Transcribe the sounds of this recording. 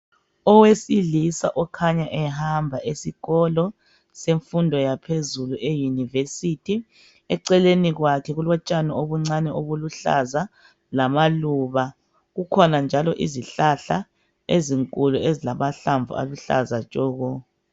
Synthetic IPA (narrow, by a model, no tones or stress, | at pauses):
ɔwesilisa̰ʔɔkʰaɲaʔɛɦambʱaʔesiɣɔlɔ | seɱfundʱɔjapʰezuluʔejunivesitʰi | ɛǀɛleniɣwakʰɛɣulwɔt͡ʃʼanɔoβuŋ͡ǀanɛoβuluɬa̰za | lamaluβa | ɣukʰɔnand͡ʒʱalɔʔḭziɬaɬa | eziŋkʼuluezilamaɬaɱvṵa̰luɬa̰zat͡ʃʼɔːɣɔ